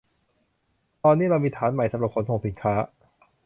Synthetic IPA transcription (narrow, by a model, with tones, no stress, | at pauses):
t̪ɔː˧nːiː˦˥˩ɾa˧wmiː˧t̪ʰaː˩˦nma˨˩jsa˧mɾa˨˩kʰo˧˥˦nsa˨˩˨si˩˦nkʰaː˦˥